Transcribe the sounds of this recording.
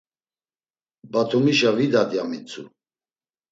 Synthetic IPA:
bat̪ʰumiʃavid̪ad̪jamit͡sʰṵ

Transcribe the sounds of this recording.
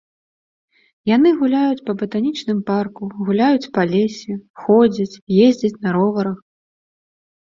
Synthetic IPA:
jan̪ɨɣulʲajut͡sʲpɐbɐt̪anʲit͡ʂnɨmparkuɣulʲajut͡sʲpɐlʲesʲixɔd͡zʲit͡sʲjezʲd͡zʲɐt͡sʲnɐɾɔvɐɾɐx

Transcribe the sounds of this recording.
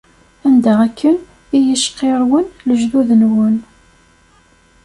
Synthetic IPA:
ænd̪æækʰːən | ijəʃqːeɾˤwənləʒðuðənwən

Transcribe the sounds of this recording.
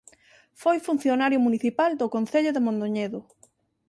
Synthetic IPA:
fojfun̟θjonaɾjʊmuniθipald̪ʊkon̟θeʎʊðemõnd̪oɲeðʊ

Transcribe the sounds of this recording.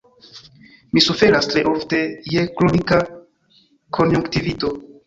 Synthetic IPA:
misufe̞ɾastɾe̞ʔo̞fte̞je̞klonika | kʰo̞njuŋktivito̞

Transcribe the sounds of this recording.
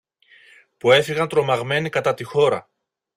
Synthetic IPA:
pue̞fiɣɐnt̪ɾo̞mɐɣme̞nikɐt̪ɐt̪ixo̞ɾɐ̰

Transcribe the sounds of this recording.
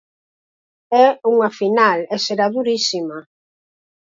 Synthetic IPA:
ɛuŋafinalɛseɾaðuɾisima

